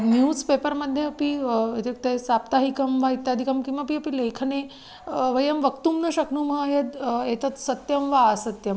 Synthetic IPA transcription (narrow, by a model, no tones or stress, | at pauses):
njuːzpepəɾməd̪ʱjeɐpiet̪ɐk̚t̪esap̚t̪aɦikɐmʋait̪jaːd̪ʱikɐmkĩʋapiɐpilekʰne | ʋəjɐmʋəkt̪umnɐɕɐknuːmɦəɦed̪et̪ət͡s̪sɐt̪jɐmʋaːsət̪jɐm